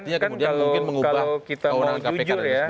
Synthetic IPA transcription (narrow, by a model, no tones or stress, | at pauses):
t̪iɲakanmudiaalokɪnməŋukabaokit̪aonaŋkaued͡ʒʊrja